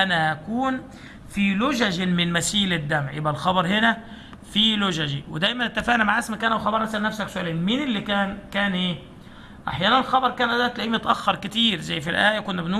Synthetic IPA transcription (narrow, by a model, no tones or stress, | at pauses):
ʔænæʔækuːn | filʊʒæʒmɪnmæsiːlɪd̪ːæmʕḛbʔælxɑbɑɾˤhenæ | fiːlʊʒæʒiwɪd̪æjmænɪt̪ːæfæːʔnæmaʕæsmækæːnawxɑbɑɾˤnæsælnːæfsæksʊʔæleːnmiːnɪlːikæːnkæːnʔeː | ʔa̰ħjæːnænelxɑbɑɾˤkæːnʔæd̪æːt̪læʔiːmet̪ʔæxːɑɾˤkɪt̪iːɾzæjːfilʔæːʔjækonːæbnuː